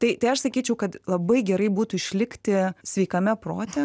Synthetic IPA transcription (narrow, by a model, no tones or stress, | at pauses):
t̪ɐɪt̪ɐɪɐʃsɐkʲiːt͡ʃʲɛʊkɐt̪lˠɐbɐɪɡʲɛɾɐɪbuːt̪ʊɪʃʲlʲɪkt̪ʲɪsʲʋʲɛɪkɐmʲɛproːt̪ʲɛ